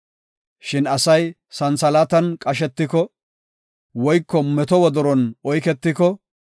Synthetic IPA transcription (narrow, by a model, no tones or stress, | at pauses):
ʃɪnɐsɐj | sɐnsɐlat̪ɐnkʼɐʃ̬ɛt̪ːɪkɔ | wɔjkːɔmɛt̪ɔwɔd̪ɔɾɔnɔjkɛt̪ːɪkɔ